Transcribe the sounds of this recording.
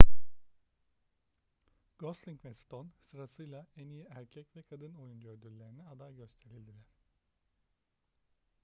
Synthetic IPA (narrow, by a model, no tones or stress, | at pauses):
ɡ̥oslʲˠiŋcvɛst̪ʰonsɯɾasɯjlˠaɛnijiʔæɾcʰɛcvɛkʰad̪ɯno̞jund͡ʒøɾd̪yɾlʲe̞ɾinɛad̪ajɟø̞st̪ʰe̞ɾilʲd̪ilʲɛɾ̥